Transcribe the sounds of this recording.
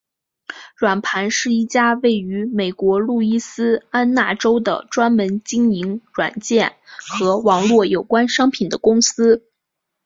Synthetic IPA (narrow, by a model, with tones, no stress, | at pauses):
ɻwa˨˩npʰa˧˥nʂɻ̩˥˧i˥˩t͡ɕja˥we˥˩ɪy˧˥me˨˩ɪkwɔ˧˥lu˥˩i˥sɹ̩˥a˥nna˥˩ʈ͡ʂo˥ʊd̪ə̰˨ʈ͡ʂwa˥nmə˧˥nt͡ɕi˥ŋi˧˥ŋɻwa̰˨˩nt͡ɕjɛ˥˩nxɤ˧˥wɑ˧˥ŋlwɔ˥˩jo˨˩ʊkwa˥nʂɑ˥ŋpʰi˨˩nd̪ə˦kʊ˥ŋsɹ̩˥